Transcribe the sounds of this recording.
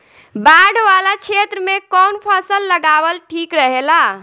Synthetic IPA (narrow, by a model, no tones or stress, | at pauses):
baɽʋalat͡ʃʰet̪ɾəmekɔnpʰəsəlːəɡabəlʈʰikɾəɦela